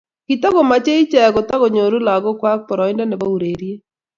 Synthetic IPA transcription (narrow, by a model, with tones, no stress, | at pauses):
ki˨ta˦ɣo˨ma˨t͡ʃe˦i˦t͡ʃɛ˨ɡo˨ta˦ɣo˨ɲo˨ɾu˦la˨ɡɔ˦kwa˦k̚pɔ˨ɾɔ˨ɪ˦ndɛ˦nɛ˨ba˦u˨ɾe˨ɾje˦